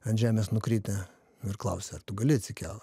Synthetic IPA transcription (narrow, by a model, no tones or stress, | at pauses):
ɐnʒʲæːmʲeːsnʊkɾʲiːt̪ʲɛ | ɪrklˠɐʊsʲɛɐrt̪ʊɡɐlʲɪɐt̪ʲsʲɪkʲæːlˠɐ